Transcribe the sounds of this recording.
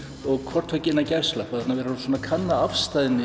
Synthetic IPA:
ɔɣkʰvɔr̥t̪vœcɪɪnːacɛr̥slaat̪navɛɾasɔːnakʰanːaafst̪ajðɪnːɪ

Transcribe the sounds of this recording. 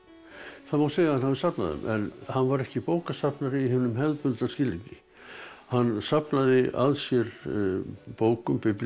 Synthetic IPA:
θaðmawseːjɣaanhavɪsapna̰ðʏ̰mʔɛ̰nhanːvaɾɛhcɪpoːwkasapnaɾɪihɪvnʏmɦɛðpʏlt̪ascɪliɲcɪ | hanːsapnaðɪʔa̰ðsjɛɾ | poːwkʏmpɪpl

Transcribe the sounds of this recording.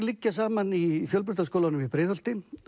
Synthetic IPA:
lɪcːasaːmanifjœlp̬ʏɾ̥t̪askoːwlanʏmipɾɪːðœlt̪ɪ

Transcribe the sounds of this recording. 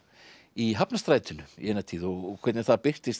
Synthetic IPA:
iɦapnast̪ɾaːjt̪ʏnʏḭɛnːat̪ʰiːðɔɣkʰvɛɾt̪nɪθaðpɪr̥t̪ɪst̪

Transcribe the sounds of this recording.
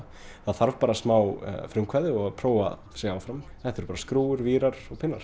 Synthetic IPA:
θaðθaɾvpaːɾasmaːw̰fɾʏmkʰvaðɪɔɣapʰɾoːwa̰ | sɛaːwfɾamθɛt̪ʏɾpaːɾaskɾuːwʏɾviːɾaɾɔɣpʰɪnːaɾ̥

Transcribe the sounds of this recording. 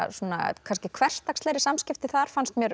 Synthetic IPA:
suːna̰kʰanscɪkʰvɛr̥st̪akstlejɾɪsamscɪft̪ɪθaðɾ̥fanst̪mjɛɾ

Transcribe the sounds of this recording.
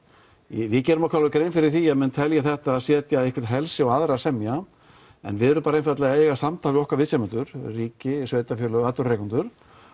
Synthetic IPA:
jɛvɪcɛːɾʏmɔkʰvɾalʏkɾeːjnfɪɾɪɾ̥θiɛmɛnt̪ʰɛljaθɛht̪aːðsjɛːt̪jaehkvɪɾ̥t̪ɦɛlsɪɔaðɾasɛmja | ɛ̰nvɪðɛɾʏmpaːɾaejnfaɾt̪lɛɣaeɛɣasamt̪ʰaːlɪɔhkvaɾvɪsɛmɛnt̪ʏɾ̥riːcɪsveːjt̪afjœːlʏat̪ʏrejkɔnt̪ʏɾ̥

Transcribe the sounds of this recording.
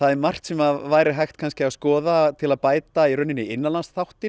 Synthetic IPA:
θaðɛɾmar̥t̪sɛmavaːjɾɪɦajxt̪kʰanscɪavskɔːðat̪ʰɪlaðpaːjt̪aiɾœnɪnːɪɪnːalansθawht̪ɪ

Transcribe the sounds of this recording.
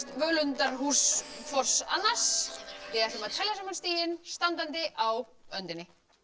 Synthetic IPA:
t̪vœlʏnt̪aɾ̥ɦuːskfɔr̥sa̰nːasvɪɛɾɛmat̪ʰɛljasamːanst̪iːjɪnst̪ant̪ant̪ɪʔawœnt̪ɪnːɪ

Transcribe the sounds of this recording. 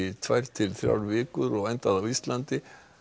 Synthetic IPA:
t̪ʰvajɾ̥t̪ʰɪlθɾja̰wlvɪːkʏɾɔɣajnt̪aðawist̪lant̪ɪ

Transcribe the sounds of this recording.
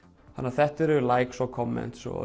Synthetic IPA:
ha̰nːaθɛht̪ɛɾʏlajksɔkʰɔmːɛ̰̃nt̪sɔ̰

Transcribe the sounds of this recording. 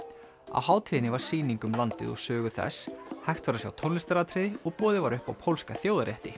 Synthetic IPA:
a̰whaːwt̪ʰɪðɪnɪvaɾ̥siːniŋkʏmlant̪ɪ̰ðɔ̰ɣsœːɣʏθɛ̰shajxt̪vaɾasja̰wt̪ʰonlɪst̪aɾat̪ʰɾɪðɪɔɣpɔːðɪvaɾʏhpawpʰowlskaθjowðaɾjɛht̪ɪ

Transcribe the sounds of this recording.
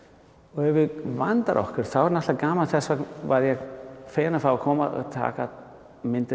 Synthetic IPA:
ɔɣɛvʏvant̪a̰ɾʔɔ̰hkʏɾ̥θawɛɾnɛht̪akaːmalθɛsvavaðjɛɣfejnafɾawakʰɔːma̰ɔ̰ɣt̪ʰa̰ːka | mɪnt̪ɪ

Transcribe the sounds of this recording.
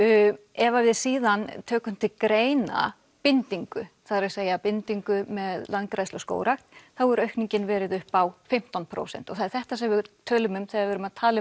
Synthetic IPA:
ɛvavɪðsiːðant̪ʰœːkʏm̥t̪ʰɪlkɾeːjna̰ | pɪnt̪iŋkʏθaðɾɪ̥seːjapɪnt̪iŋkʏmɛðlankɾajslœsko̰ːwɾaxt̪θawɛɾœɥhkniɲcɪnvɛːɾɪðʏhpawfɪm̥t̪anpʰɾo̰ːwsɛ̰n̥t̪ɔθaðɛɾ̥θɛht̪asɛmvɪt̪ʰœːlʏmʏmθɛaɪɾvɛːɾʏmaðt̪ʰaːlɪ

